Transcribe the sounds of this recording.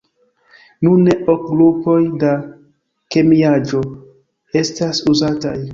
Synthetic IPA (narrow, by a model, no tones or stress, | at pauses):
nuneʔok̚ɡɾupo̞jda | ke̞miad͡ʒo̞ | e̞stasuzataj